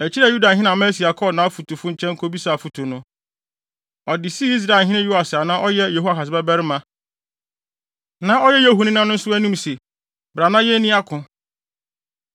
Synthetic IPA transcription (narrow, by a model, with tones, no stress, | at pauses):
æ˨t͡ɕʰi˦ɾɛ˨ju˦da˨ɦɪ̃˦nã˨mɛ̃˦si˨a˨kʰɔ˦˨nã˨˦fu˨tu˨fʊ˦ɲ̩˨t͡ɕʰɛ̃˦ŋ̩˦kʰo˦bi˦sa˨fu˨tʰu˨nʊ̃˦ | ɔ˨dɪ˨si˦i˦s̬ɾa˨ɦɪ̃˦nɪ̃˦ju˦a˨sɪ˨a˨nã˦ʔɔ˦jɛ˦je˨ɦu˦a˨ka˨s̬ɪ˨bɛ˦bɛ˦ɾɪ˦mã˦ | nã˨˦ɔ˦jɛ˦je˦ɦu˨nɪ̃˦nã˦nʊ̃˦n̩˦sʊ˦æ˦nũ˦mse˨ | bɾa˨nã˦jɛ˦nĩ˦a˦kʰʊ̃˨